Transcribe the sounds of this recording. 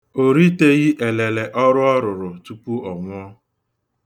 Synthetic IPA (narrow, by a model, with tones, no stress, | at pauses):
o˨ɾi˦te˦ɣi˦ʔe˨le˨le˨ʔɔ˦ɾʊ˦ɔ˦ɾʊ˨ɾʊ˨tu˦pu˦ɔ˨ŋʷʊ˦ɔ˦